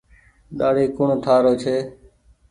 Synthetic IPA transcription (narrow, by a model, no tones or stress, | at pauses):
ɗaːɽiːkʊɳt̪ʰaːɾoːt͡ʃʰeː